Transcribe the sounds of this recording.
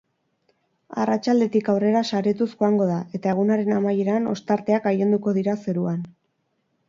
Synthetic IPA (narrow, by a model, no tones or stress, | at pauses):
a̰rat͡ʃald̪e̞t̪ikawre̞ɾasaɾet̪usxoaŋɡo̞ðaʔe̞t̪ae̞ɣunaɾe̞namaje̞ɾano̞̰st̪aɾt̪e̞akaje̞nd̪uko̞ðiɾase̞ɾuan